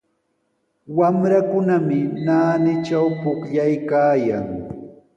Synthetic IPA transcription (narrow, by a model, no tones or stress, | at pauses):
wamɾakʊnamɪnaːnɪt͡ʃawpʊkʎajkaːjaŋ